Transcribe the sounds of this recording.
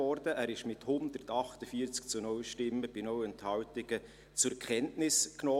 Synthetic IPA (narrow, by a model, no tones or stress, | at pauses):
ɔɾdəʔæːɾɪʃmɪthʊnd̪əɾtɑχtəfiːɾt͡sk̚t͡sunɔwʃtɪmːəb̥inɔwɛnthɑwtɪɡ̥ə | t͡sʊɾkχɛntnɪsknɔː